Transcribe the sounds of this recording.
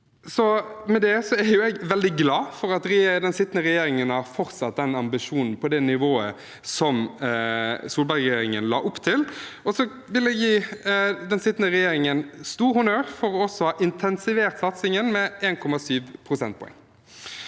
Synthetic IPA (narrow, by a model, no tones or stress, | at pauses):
sɔmɛd̪ɛsɔæɾjʊɛɡʋɛld̪ɪɡlɑːfɔɾɑt̪ɾɛd̪ɛnsɪt̪ːnəɾɛjeːɾɪŋənhɑɾfɔɾt̪sɑt̪̚d̪ɛnɑmbɪʂuːnn̩pʰɔd̪ɛnɪʋoːə | sɔm | suːlbɑʁɛjeːɾɪŋənlɑ̰ːʔʊpːt̪ʰɪlɔsɔ | ʋɪlɛɡjiːd̪ɛnsɪt̪ːnəɾɛjeːɾɪŋənst̪uːɾhʊnøːɾfɔɾɔɔsːɔhɑːʔɪnt̪ʰɛnsɪʋeːʁt̪sɑt̪sɪŋənmɛeːnkʰɔmɑsyːʋpʰɾʊsɛnt̪̚pʰɔ̰ɛ̰ŋː